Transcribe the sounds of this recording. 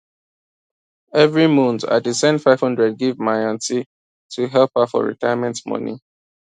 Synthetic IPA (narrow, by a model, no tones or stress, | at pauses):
ɛvɹimũnθa̰tdisɛ̃nfaɪv̥hʌ̃ndɹɛd̚ɡivmajãnti | tʰuɦɛlpafɔ̰ɹḭtaɪamɛ̃ntmɔ̰nḭ